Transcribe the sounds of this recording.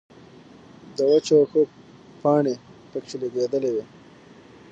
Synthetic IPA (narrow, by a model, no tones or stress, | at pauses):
d̪əwət͡ʃoxo | pɑɳepəkt͡ʃeleɡed̪əlewe